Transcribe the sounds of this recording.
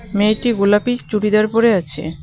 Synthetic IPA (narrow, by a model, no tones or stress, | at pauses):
meʈiɡulapit͡ɕt͡ɕuɽid̪eaɾpoɾeat͡ɕʰḛ